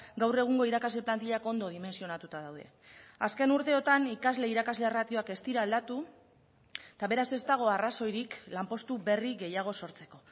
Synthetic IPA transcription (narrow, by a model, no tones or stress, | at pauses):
ɡawre̞ɣ̞uŋɡo̞iɾakazle̞plant̪iʎako̞nd̪o̞ð̞ime̞nsio̞nat̪ut̪aðawðe̞̰aske̞nuɾt̪e̞o̞t̪anikazle̞iɾakazle̞erat̪io̞ake̞st̪iɾaːld̪at̪u | t̪aβe̞ɾase̞st̪aɣ̞o̞araso̞jɾiklampo̞st̪ube̞riɣe̞jaɣ̞o̞so̞ɾt͡se̞̥ko̞